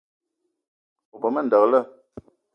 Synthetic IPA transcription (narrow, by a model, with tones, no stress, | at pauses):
o˨pə˨mə˦˨n̩˨də˨ɣlə˦